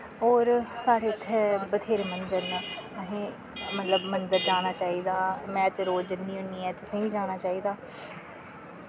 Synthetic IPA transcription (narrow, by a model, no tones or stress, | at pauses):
ɔːɾsaːɽeːt̪ʰːɛːbət̪ʰeːɾmənd̪əɾnəəɦẽː | mət̪ləbmənd̪əɾd͡ʒaːɽ̃aːt͡ʃaːiːd̪aːmɛ̃ːt̪eɾoːd͡ʒənːiːɦoniːɛːt̪ʊsẽːʋiːd͡ʒaːɽ̃aːt͡ʃaːiːd̪aː